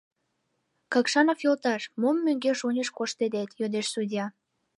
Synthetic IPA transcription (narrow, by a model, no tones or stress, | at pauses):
kɑkʃɑnofjolt̪ɑʃmomːøŋɡeʃonʲəʃkoʃt̪ed̪et̪jød̪eʃsudʲjɑ